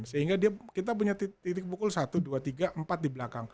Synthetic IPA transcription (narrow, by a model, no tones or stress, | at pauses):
nsəɦiŋɡadiakit̪̬ap̬uɲat̪it̪it̪̬ɪk̚pukʊlsat̪uduat̪iɡaʔəmpat̪̚dibəlakaŋ